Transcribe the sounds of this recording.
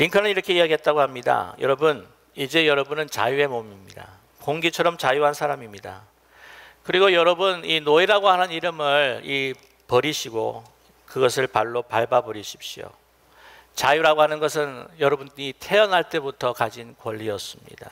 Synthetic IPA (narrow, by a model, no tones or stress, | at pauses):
ɾiŋkʰʌnɯniɾʌkʰe̞iaɡiɦe̞t̚t͈aɡoɦamɲida̰jʌ̰ɾʌbun | id͡ʑe̞jʌɾʌbunɯnt͡ɕa̰jue̞momimɲida̰ | koŋɡit͡ɕʰʌɾʌmt͡ɕajuɦansʰaɾamimɲida̰ | kɯɾiɡojʌɾʌbuninoiɾaɡohanɯniɾɯmɯɭi | pʌɾiɕʰiɡo | kɯɡʌs̬ʰɯɭpaɭːopaɭbabʌɾiɕʰi̥p̚ɕ͈io̰ | t͡ɕajuɾaɡoɦanɯnɡʌs̬ʰɯnjʌɾʌbundɲitʰe̞ʌnɦaɭt͈e̞butʰʌkad͡ʑinkwʌʎːiʌs͈ɯmɲḭda